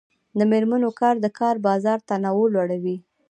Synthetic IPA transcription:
d̪əmeɾmanokɑɾd̪əkɑɾbɑzɑɾt̪anawəlwaɽawi

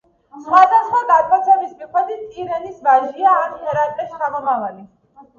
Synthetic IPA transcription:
sχwad̪asχwad̪ad̪kʼɔt̪sʰɛmismikʰwɛd̪it̪ʼiɾɛnisbaʒiaːnχʰɛɾat̪ʼɛst͡ʃʰamɔmavali

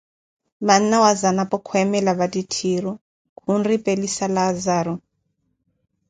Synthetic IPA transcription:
man̩nawazanapʼɔkʰɔɛmɛlaβaditʰiɾɔ | kunripʼelisalazaːɾɔ

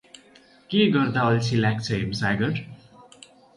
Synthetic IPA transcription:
keɡʌrd̪aʌlt͡sʰilakt͡sʰʌemsaɡʌɾ

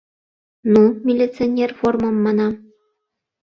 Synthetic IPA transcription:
numʲilʲːit̪t͡sɨonʲerformɤ̆mːɑnɑ

